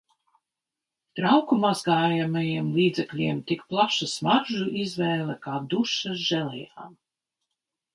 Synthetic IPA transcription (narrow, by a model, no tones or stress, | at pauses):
t̪ɾawkumazɡaːjamajiɛmlˠiːd̪zʲɛklʲiɛmt̪ikplˠaʃasmaɾʒuʔizvɛːlˠɛkaːd̪uʃaʒɛlɛ̰ja̰ːm